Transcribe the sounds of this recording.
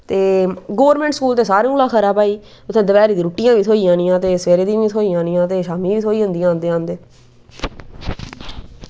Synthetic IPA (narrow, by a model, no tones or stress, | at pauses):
t̪eːɡoːʋɾmɛ̃ɳʈskuːlt̪eːsaːɾeulaːkʰəɾaːpaːiː | ʊt̪ʰːẽːd̪əʋɛːɾiːd̪iːɾuːʈːɪjãːʋiːt̪ʰoːiːãːnĩjãːt̪eːsʋeːɾeːd̪ĩãːiːt̪ʰoːijãːnijãːt̪eːʃaːmĩːʋiːoːiːɦõnd̪ijãːnd̪eãːnd̪eː